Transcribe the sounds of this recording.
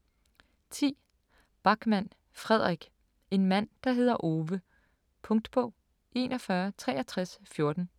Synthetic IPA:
t͡sʰḭː | b̥ɑ̈ɡ̥mæn̰ | fʁɛð̞̰ˠʁiɡ̥ | e̝nmæn̰d̥ɑ̈ɦe̝ð̞̰ˠɐʔo̝ːʋə | pʰɔ̽ŋd̥b̥ɔʊ̰ | ʔe̝nʔɒ̽fɶːɐt͡sʰʁɛːʔɐt͡sʰʁasfjo̝ɐd̥n̩

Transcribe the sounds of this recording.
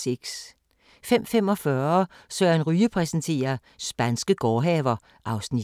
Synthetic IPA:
eɡ̥s | fem̰fem̰ɒ̽fɶɐsøɐnʁyːəpʰʁɛsnt͡sʰe̝̰ːɐ | sb̥ænsɡ̥əɡ̥ɒːɦɛʋɐ | ʔɑ̈ʊsni̥

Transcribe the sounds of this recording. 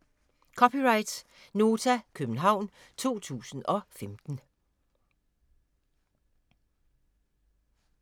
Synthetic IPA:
kʰɒpʰiʁɑ̈ɪd̥s | no̝ːt͡sʰækʰøb̥n̩ɦɑ̈ʊ̰n | t͡sʰo̝̰ːt͡sʰṵːsn̩ɒ̽femd̥n̩

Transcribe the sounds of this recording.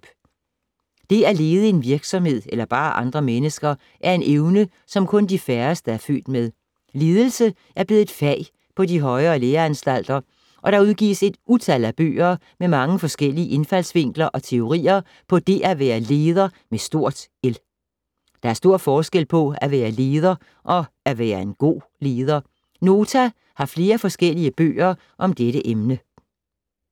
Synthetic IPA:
b̥ | d̥e̝æle̝ːð̞ˠəe̝nʋiɐɡ̥sɒ̽mhe̝ð̞̰ˠelɐb̥ɑ̈ːʔɑ̈nd̥ʁɐmenəsɡ̥ɐ | ʔæɐe̝nʔeʊnə | sɒ̽mkʰɔ̽nd̥ifæɐsd̥əæɐfø̰ːd̥með̞ˠ | le̝ːð̞ˠəl̩sə | ʔæɐb̥le̝ːð̩ˠfɛ̰ɪ | pʰɒ̽diɦɒ̽ɪɐːleːɐænsd̥æl̰d̥ɐ | ʔɒ̽ɾ̥ɑ̈uð̞ˠɡ̥ḭːse̝d̥ʔut͡sʰælæb̥ø̰ːɐː | memɑ̈ŋəfɒ̽sɡ̥el̰iəʔe̝nfæl̰sʋe̝ŋ̰ɡ̥lɐʔɒ̽t͡sʰe̝o̝ʁḭːɐ | pʰɒ̽d̥e̝ʔæʋæːɐle̝ːð̞ˠɐ | mesd̥o̝ɐ̰d̥el | d̥ɑ̈æɐsd̥o̝ɐ̰fɒːsɡ̥el̰pʰɒ̽æʋæːɐle̝ːð̞ˠɐ | ʔɒ̽ | æʋæːɐe̝nɡ̥o̝̰ː | le̝ːð̞ˠɐ | no̝ːt͡sʰæ | hɑ̈fle̝ːɐfɒ̽sɡ̥el̰iəb̥ø̰ːɐ | ʔɒ̽md̥eɾəʔemnə

